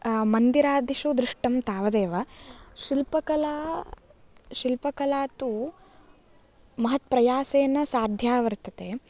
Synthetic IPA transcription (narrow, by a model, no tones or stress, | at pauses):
mɐnd̪iɾaːd̪iʃud̪ɾiʂʈɐmt̪aːʋɐd̪eːʋɐʃilpɐkɐlaː | ʃilpɐkɐlaːt̪u | mɐɦɐt̪pɾɐjaːseːnːɐsaːd̪ʱjaːʋɐɾt̪ɐt̪eː